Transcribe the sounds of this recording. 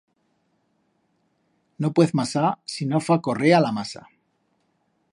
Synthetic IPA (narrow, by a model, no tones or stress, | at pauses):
nopweθmasasinofako̞realamasa̰